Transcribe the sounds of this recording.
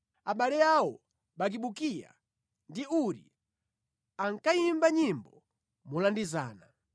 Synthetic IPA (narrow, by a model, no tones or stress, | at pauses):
aɓalɛjawɔ | ɓak̬iɓukija̰ | ndiuɾḭ | aŋkaimbaɲimbɔ | mulandiza̰ːna